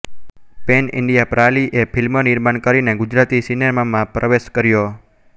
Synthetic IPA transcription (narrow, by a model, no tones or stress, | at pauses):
penɪ̰ɳɖijapɾaliʔepʰilmənɪɾmaɳkəɾineɡud͡ʒɾat̪isineɾmamãpɾʔəʋeʃkəɾjo